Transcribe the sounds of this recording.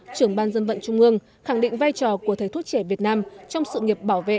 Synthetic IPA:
t͡ɕɨ˧˩əŋɓaː˧nzə˧nvə̰˧˨nt͡ɕʊ˧ŋ͡mʔɨ˧əŋ | xa˧˩ŋɗḭ˧˨ŋ̟vaː˧jt͡ɕɔ˨˩ku˧˩ət̪ʰə˨˩t̪ʰu˦˥t̚t͡ɕɛ˧˩vi˨˩ət̚naː˧mt͡ɕɔ˧wŋ͡msɨ̰˧˨ŋi˨˩əp̚ɓaː˧˩wvḛ˧˨

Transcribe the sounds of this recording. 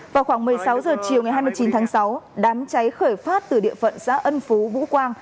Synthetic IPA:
vaː˨˩wxwaː˧˩ŋmɨ˨˩əjsa˨˦wzəː˨˩t͡ɕi˨˩əwŋa˨˩jɦaː˧jmɨ˧jt͡ɕi˨˦nt̪ʰːŋsa˨˦wɗaː˨˦mt͡ɕa˨˦jxəː˧˩jfaː˦˥t̚t̪ɨ˨˩ɗḭ˧˨əfə̰˧˨nsa̰ː˧˥ʔə˧nfu˨˦vṵ˧˥kwaː˧ŋ

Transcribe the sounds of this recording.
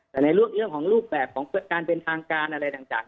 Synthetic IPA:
t̪ɛː˨˩na˧jɾu˥˩ək̚ɾɯ˥˩əŋkʰɔː˩˦ŋɾuː˥˩p̚bɛː˨˩p̚kʰɔː˩˦ŋpɯː˧˩t̪̚kaː˧npe˧nt̪ʰaː˧ŋkaː˧nʔa˧ɾa˧jt̪aː˨˩ŋt͡ɕa̰ː˨˩ŋ

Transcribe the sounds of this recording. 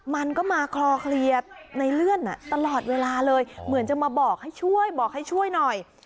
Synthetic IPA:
ma˧nkɔː˥˩maː˧kʰlɔː˧kʰli˨˧ət̪̚na˧jlɯ˥˩ənʔa̰˨˩t̪a˧lɔː˨˩t̪̚weː˧laː˧lɤː˧jmɯ˩˦ənt͡ɕa˨˩maː˧bɔː˨˩k̚ha˥˩jt͡ɕʰu˥˩əjbɔː˨˩k̚ha˥˩jt͡ɕʰu˥˩əjnɔ˨˩j

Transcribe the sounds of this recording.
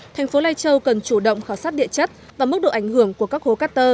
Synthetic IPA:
t̪ʰɛ˨˩jŋ̟fo˨˦laː˧jt͡ɕə˧wkə˨˩nt͡ɕu˧˩ɗə̰˧˨wŋ͡mxaː˧˩wsaː˦˥t̚ɗḭ˧˨ət͡ɕə˦˥t̚ | vaː˨˩mɨ˦˥k̚ɗo̰˧˨ʔa˧˩jŋ̟hɨ˧˩əŋku˧˩əkaː˦˥k̚ho˨˦kaː˦˥t̪əː˧

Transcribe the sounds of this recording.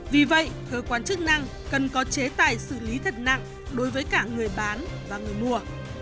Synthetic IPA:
vi˨˩və̰˧˨jkəː˧kwaː˧nt͡ɕɨ˦˥k̚na˧ŋ | kə˨˩nkɔ˨˦t͡ɕe˨˦t̪aː˨˩jsɨ̰˧˩li˨˦t̪ʰə˨˩t̚na̰˧˨ŋ | ɗo˨˦jvəː˨˦jkaː˧˩ŋɨ˨˩əjɓaː˨˦nvaː˨˩ŋɨ˨˩əjmu˧˩ə

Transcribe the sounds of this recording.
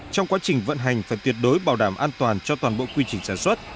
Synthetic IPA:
t͡ɕɔ˧wŋ͡mkwaː˨˦t͡ɕï˨˩ŋ̟və̰˧˨nɦa˨˩jŋ̟faː˧˩jt̪wi˨˩ət̚ɗo˨˦jɓaː˨˩wɗaː˧˩mʔaː˧nt̪waː˨˩nt͡ɕɔ˧t̪waː˨˩nɓo̰˧˨kwi˧t͡ɕï˨˩ŋ̟saː˧˩swə˦˥t̚

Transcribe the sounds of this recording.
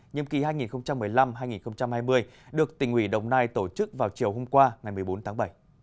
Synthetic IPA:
ɲə̰˨˩mki˨˩haː˧jŋi˨˩nxə˧wŋ͡mt͡ɕa˧mːɨ˨˩əjla˧mɦaː˧jŋi˨˩nxə˧wŋ͡mt͡ɕa˧mhaː˧jmɨ˧əj | ɗɨ˨˩ək̚t̪ï˨˩ŋ̟hwi˧˩ɗə˨˩wŋ͡mnaː˧jt̪o˧˩t͡ɕɨ˦˥k̚vaː˨˩wt͡ɕi˨˩əwɦo˧mkwaː˧ŋa˨˩jmɨ˨˩əjɓo˨˦nt̪ʰa˨˦ŋɓə˧˩j

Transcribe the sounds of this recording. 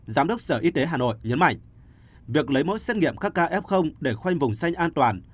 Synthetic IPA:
zaː˨˦mɗə˦˥wk͡p̚səː˧˩ʔi˧t̪e˨˦ɦaː˨˩no̰˧˨jɲə˨˦nma̰˧˨jŋ̟ | vi˨˩ək̚lə˨˦jmo̰˧˥jse˦˥t̚ŋḭ˧˨əmkaː˦˥kːaː˧ʔɛ˦˥p̚xə˧wŋ͡mɗe˧˩xwa˧jŋ̟vʊ˨˩ŋ͡msa˧jŋʔaː˧nt̪waː˨˩n

